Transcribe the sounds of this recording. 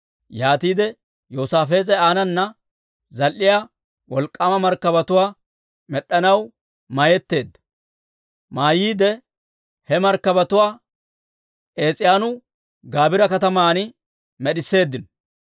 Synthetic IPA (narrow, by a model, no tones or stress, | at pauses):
jaːt̪iːd̪ɛ | joːsaːfe̞ːzɛaːnɐnːɐ | zɐlʔːɪjaː | wɔlkʼːɐmɐmɐɾkːɐbɐt̪ʊwaː | mɛɗːɐnɐw | majɛt̪ːe̞ːd̪ːɐ | maːjiːd̪ɛ | hɛmɐɾkːɐbɐt̪ʊwaː | ʔe̞ːt͡sʼɪjaːnʊ | ɡaːbɪɾɐkɐt̪ɐmaːnɪ | mɛɗɪsːe̞ːd̪ːɪn